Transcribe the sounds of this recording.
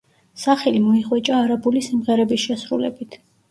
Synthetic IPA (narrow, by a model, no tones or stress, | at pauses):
saχɛlimɔiqʼwɛt͡ʃʼaːɾabulisimʁɛɾɛbisʃɛsɾulɛ̰bit̪ʰ